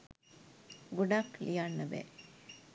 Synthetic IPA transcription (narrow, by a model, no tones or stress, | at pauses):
ɡuɖaklijanːɐbḛ